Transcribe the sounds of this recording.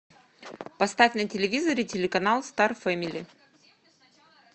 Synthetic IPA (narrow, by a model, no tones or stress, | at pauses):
pɐst̪afʲnətʲɪlʲɪvʲizəɾʲɪtʲɪlʲɪkɐnalˠst̪arfɛmʲilʲɪ